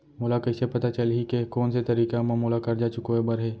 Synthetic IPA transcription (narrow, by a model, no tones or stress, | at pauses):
moːlakɐɪsepɐt̪at͡ʃɐlɦikekoːnset̪ɐɾiːkamamuːlakɐɾd͡ʒaːt͡ʃʊkoebəɾɦeː